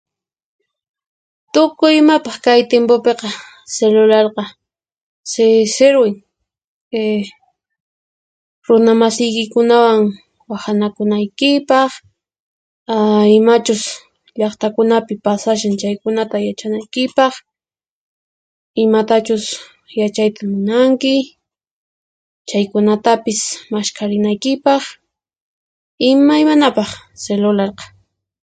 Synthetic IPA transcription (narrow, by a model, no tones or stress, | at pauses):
t̪ʊkʊjɪmapɑχkajt̪jempopeqɑ | selʊlɑɾqɑ | seseɾwɪŋ | e | ɾʊnamasɪjkɪkʊnawaŋ | wahanakʊnajkɪpɑχ | aɪmat͡ʃʊs | ʎɑχt̪akʊnapɪpasaʃ̬ant͡ʃajkʊnat̪ajat͡ʃanajkɪpɑχ | ɪmat̪at͡ʃʊs | jat͡ʃajt̪amɪnaŋkɪ | t͡ʃajkʊnat̪apɪsmaʃkaɾɪnajkɪpɑχ | ɪmajmanapɑχselʊlɑɾqɑ̥